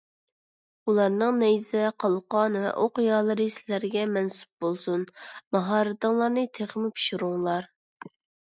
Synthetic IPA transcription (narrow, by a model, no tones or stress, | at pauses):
ulˠɑɾnɨŋnɛjzɛqʰɑlˠqɑnvɛ̰ʔoqjɑːlˠəɾɨsɪlæɾɡʲɛmɛnsu̥p̚bolˠsunmɑɦɑːɾɨd̪ɑŋlˠɑɾnɨt̪ʰeχmɪpʰi̥ʃuɾuŋlˠɑɾ